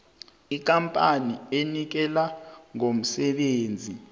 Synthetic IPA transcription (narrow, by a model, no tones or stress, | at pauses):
ik̬ʼampʼanienik̬ɛlaŋom̩sɛɓeːnd͡zʱi